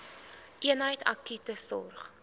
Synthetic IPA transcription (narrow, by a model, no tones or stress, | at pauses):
ʔiənɦəjtɐ̰kitəsɔ̰rχ